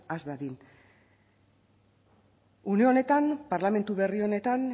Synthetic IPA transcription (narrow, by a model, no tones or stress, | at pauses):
azdaðin | uneone̞t̪anpaɾlame̞nt̪uβe̞rio̞ne̞t̪an